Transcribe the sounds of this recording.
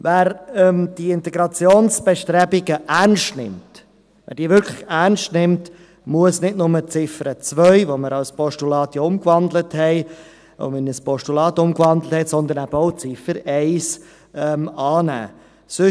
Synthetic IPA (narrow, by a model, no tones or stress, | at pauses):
væːɾɛmd̥iɪntɛɡɾɑt͡sjoːnsb̥ɛʃtɾɛbiɡəʔæɾnʃtnɪ̰mt | væ̰ːɾd̥iːvʋʏɾkʰlɪxærnʃtnɪmt | muəsnɪdnʊmət͡sɪfəɾət͡svœʏvoməɾɑlspɔʃtulɑːtjiʊmkvɑndləthɛɪ | o̰mɪnəspɔʃtulɑːtʊmkvɑnd̪ləthɛtsɔnd̪ənæb̥əoʊt͡sɪfəɾɛɪs | ɛmɑːnæ̰ː | sø